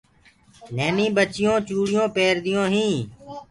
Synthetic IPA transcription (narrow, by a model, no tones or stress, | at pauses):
leːnĩːbət͡ʃɪjõːt͡ʃuːɽɪjõːpeːɾd̪ɪjõːɦĩː